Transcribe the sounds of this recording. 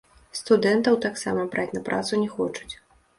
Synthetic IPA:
st̪ud̪ɛnt̪ɐwt̪aksa̰mɐbɾat͡sʲnɐpɾʔa̰t̪sunʲɛxɔt͡ʂu̥t͡sʲ

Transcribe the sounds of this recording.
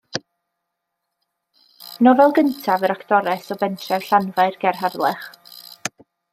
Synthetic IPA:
nɔvɛlˠɡəntʰavəɾakʰd̥ɔɾɛsɔbɛntʰrɛvɬanvaɨrɡ̥ɛrɦadlˠɛχ

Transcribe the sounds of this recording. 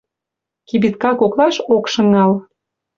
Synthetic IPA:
kibit̪kɑkoklɑʃokʃɤ̆ŋɑl

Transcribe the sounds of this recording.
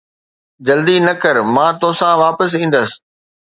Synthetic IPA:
d͡ʑɐld̪inɐkəɾmãːt̪oːsãʋaːpəs̬ĩːnd̪əs

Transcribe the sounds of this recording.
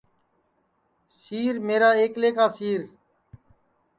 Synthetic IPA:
siːɾmeːɾaːeːkleːkaːsiːɾ

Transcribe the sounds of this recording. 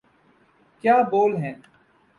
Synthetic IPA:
kjaːboːlɦɛ̃ː

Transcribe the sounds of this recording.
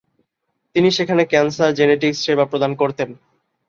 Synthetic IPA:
t̪iniʃekʰanekɛnsaɾd͡ʑeneʈ̬iksʃebapɾod̪ankoɾt̪en

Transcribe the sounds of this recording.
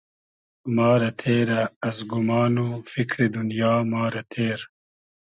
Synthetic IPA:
maːɾɐt̪ʰeːɾɐɐzɡumaːnufikɾid̪unjaːmaːɾɐt̪ʰeːɾ

